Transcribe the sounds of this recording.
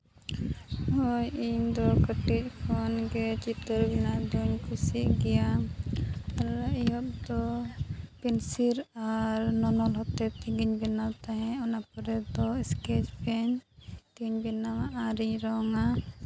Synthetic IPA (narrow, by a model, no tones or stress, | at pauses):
ɦɔjiɲd̪ɔkəʈic̚ˀkʰɔnɡɛt͡ʃit̪əɾbinaʔd̪uɲkʰusiʔɡɛja | aɾijɔp̚d̪ɔ | pɛnsiɾaɾnɔnɔlɦɔt̪ɛt̪iɡiɲbɛnawt̪aɦɛ̃ɔnapɔɾɛd̪ɔɛskɛt͡ʃpɛɲt̪iɡɲbɛnawaʔaɾiɲɾɔŋa